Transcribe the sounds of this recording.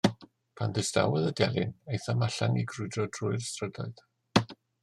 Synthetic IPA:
pʰanðɪsta̰wɛðədjɛlˠɪ̰nejθamaɬaŋiɡrʊɨdrɔd̥rʊɨrstrəda̰ɨð̥

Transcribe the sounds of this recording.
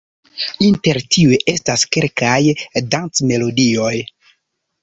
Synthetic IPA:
inte̞ɾtiueʔe̞staske̞lkajdant͡sme̞lo̞dio̞j

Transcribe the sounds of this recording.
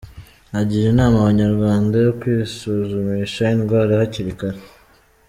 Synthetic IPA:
aɟiɾinaːmaβaɲaɾɡwaːndajokwiːsuzumiʃainɡwaɾehaciɾikaɾe

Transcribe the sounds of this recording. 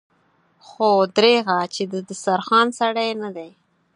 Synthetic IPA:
xod̪ɾeɣat͡ʃed̪əd̪əsaɾxɑnsaɽajnad̪aj

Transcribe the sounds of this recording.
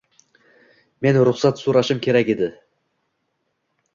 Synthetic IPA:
menɾʊχsɑt̪suɾɑʃɨmkʲʰeɾækʲed̪ɪ

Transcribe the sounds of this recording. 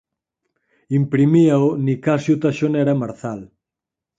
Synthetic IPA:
impɾimiaonikasjut̪aʃoneɾamaɾθal

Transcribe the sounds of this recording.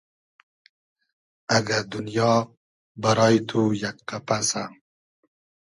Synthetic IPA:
aɡad̪unjɑ | baɾɑjt̪ʰujakqapasam

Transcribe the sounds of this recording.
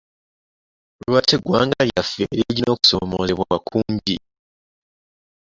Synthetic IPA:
lwateɡwaːŋɡaljafḛɾiɟino̞ku̥so̰mo̰zeβwaakʰuːmɟi

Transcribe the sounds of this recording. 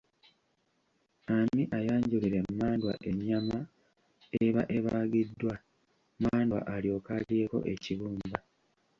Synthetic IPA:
amiʔajaːɲɟuliɾe̞mːaːndwa̰ʔe̞ɲːama | eβaʔe̞βaɡidːwa | maːndwa̰ʔaljo̞ːkalje̞ːko̞̰ʔe̞̰ciβuːmba

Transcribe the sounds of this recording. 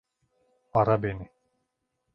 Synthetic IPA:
aɾabeni

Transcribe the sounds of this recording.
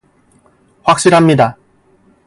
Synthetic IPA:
ɸwak̚ɕ͈iɾɦamɲida

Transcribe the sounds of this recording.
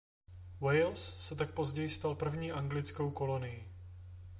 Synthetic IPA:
wɛjlsːɛt̪ak̚po̞zɟɛjɪst̪alpr̩vɲiːʔaŋɡlɪt͡skowko̞lo̞nɪji

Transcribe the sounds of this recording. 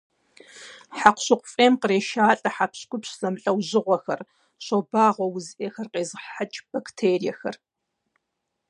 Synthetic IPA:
ħaqʷʊɕɨqʷʊfʼeːmqəreːʃaːɬʼɐħapɕkʷʼʊpɕɮɐmɬʼɐwʑɪʁʷɔxɐr | ɕobaːʁʷɔwʊzʔexɐrqeːzɨħat͡ʃʼb̥ɐktʰeːrijɛxɐr

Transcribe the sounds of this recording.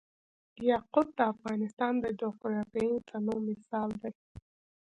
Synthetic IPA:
d̪ijaqʊd̪̚d̪əafɣɑnɪst̪ɑnd̪əd͡ʒokʊɾakajint̪ʰanomɪsɑld̪aj

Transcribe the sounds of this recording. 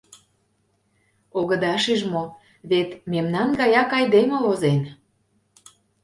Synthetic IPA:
oɣə̆d̪ɑʃiʒmo | βet̪memnɑnɡɑjɑkɑjd̪emə̆vozen

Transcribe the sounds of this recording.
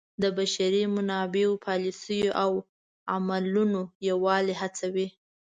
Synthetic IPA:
d̪əbaʃaɾimʊnɑbeopʰɑlisəjoʔaw | amalunojawɑleɦat͡sawi

